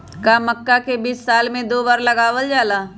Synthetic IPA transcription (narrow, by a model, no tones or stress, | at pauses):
kaːmɐkːakebiːsːaːlmẽd̪oːbaːɾlɐɡaːʋəld͡ʒaːlaː